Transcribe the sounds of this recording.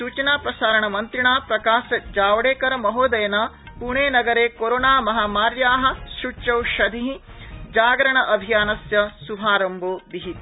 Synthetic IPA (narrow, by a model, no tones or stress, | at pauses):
suːt͡ʃɐnaːpɾɐsaːɾɐɳɐmɐnt̪ɾiɳaːpɾɐkaːʃɐd͡ʒaːʋɐɽeːkɐɾɐmɐɦoːd̪ɐjɐnɐ | puɳeːnɐɡɐɾeːkoɾoːnaːmɐɦaːmaːɾjaːɦɐ̆ʃut͡ʃɐwʃɐd̪ʱiɦid͡ʒaːɡɾɐɳɐʔɐbʱijaːnɐsjɐsuɦaːɾɐmboːbiɦit̪